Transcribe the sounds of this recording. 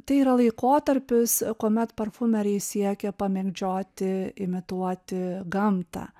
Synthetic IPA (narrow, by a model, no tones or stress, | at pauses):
t̪ɐɪiːɾɐlˠɐɪkoːt̪ɐɾʲpʲɪskuːmʲɛt̪pɐɾfʊmʲɛɾʲɛɪsʲiɛkʲɛpɐmʲɛɡd͡ʒʲoːt̪ʲɪɪmʲɪt̪uɔt̪ʲɪɡɐmt̪ɑ̰ː